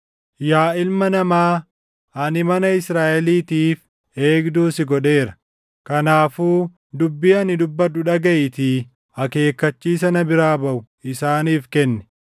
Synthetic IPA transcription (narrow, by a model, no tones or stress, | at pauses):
jaːɪlmɐnɐmaː | ɐnɪmɐnɐɪsɾaːʔɛliːt̪iːf | e̞ːɡd̪uːsɪɡɔᶑe̞ːɾɐ̥ | kɐnaːfuː | d̪ʊbːɪɐnɪd̪ʊbːɐᶑʊᶑɐɡɐʔɪt̪iː | ɐke̞ːkːɐt͡ʃːiːs̬ɐnɐbɪɾaːbɐʔʊ | ɪsaːniːfkɛnːɛ̥